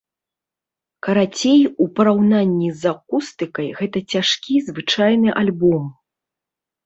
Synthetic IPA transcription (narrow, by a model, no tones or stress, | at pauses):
kɐɾat͡sʲejupɐɾawnanʲːizakust̪ɨkɐjɣɛt̪ɐt͡sʲaʂkʲizvɨt͡ʂajn̪ɨʔalʲbɔm